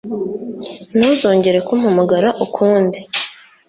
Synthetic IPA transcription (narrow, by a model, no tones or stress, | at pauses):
n̥huːzo̞ːɲɟe̞ɾe̞kumhamaɡaɾaʔukʰuːndi